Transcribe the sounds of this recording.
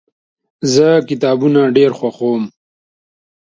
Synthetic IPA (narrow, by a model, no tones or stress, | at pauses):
zəkɪt̪ɑːbunaɖeɾxwaxom